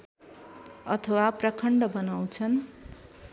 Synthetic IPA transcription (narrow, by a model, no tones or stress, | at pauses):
ʌt̪ʰʌwaprʌkʰʌɳɖʌbʌnaw̃t͡sʰʌn